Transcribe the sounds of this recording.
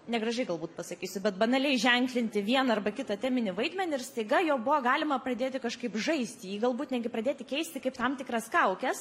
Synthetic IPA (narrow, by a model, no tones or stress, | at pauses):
nʲɛɡrɐʒɐɪɡɐlˠbuːt̪pɐsɐkʲiːsʲʊbʲɛt̪bɐnɐlʲɛɪʒʲɛŋklʲɪnʲt̪ʲɪʋʲiɛnɐɐrbɐkʲɪt̪ɐt̪ʲæːmʲɪnʲɪʋɐɪd̪ʲmʲɛnʲɪɪɾst̪ɐɪɡɐjoːbʊʋoɡɑːlʲɪmɐprɐd̪ʲeːt̪ʲɪkɐʃkɐɪpʒɐɪsʲt̪ʲɪjiːɡɐlˠbuːt̪nʲɛɡʲɪpɾɐdʲeːt̪ʲɪkʲɛɪsʲt̪ʲɪkɐɪpt̪ɐmt̪ʲɪkɾɐskɐʊkʲɛs